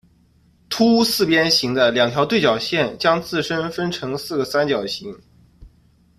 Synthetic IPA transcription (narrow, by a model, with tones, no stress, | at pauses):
t̪ʰu˥sɹ̩˥˩pjɛ˥nɕi˧˥ŋd̪ə˧ljɑ˨˩ŋt̪ʰjɑ˥t̪we˥˩t͡ɕjɑ˨˩ʊɕjɛ˥˩nt͡ɕjɑ˥ŋt͡sɹ̩˥˩ʂə˥nfə˥nʈ͡ʂʰɤ˧˥ŋsɹ̩˥˩ɡə˩sa˥nt͡ɕjɑ˨˩ʊɕi˧˥ŋ